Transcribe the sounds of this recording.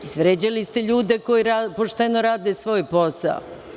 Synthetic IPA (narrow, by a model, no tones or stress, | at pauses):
isʋɾed͡ʑalist̪eʎuːd̪e̞ko̞jiɾapoʃt̪enoɾaːd̪esʋo̞ːjposa̰o̰